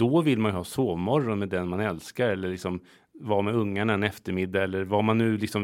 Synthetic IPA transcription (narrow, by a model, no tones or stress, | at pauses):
d̪̥ɔvɪlːmanjʏhɑːsoːvmɔɾːɔnmɛd̪ɛnmanɛlskaɾɛlːəɭɪksɔm | vɑːɾmɛɵŋːaɳaɛnɛft̪əɾmɪd̪ːaɛlːəɾvamanːʉ̟ːlɪksɔm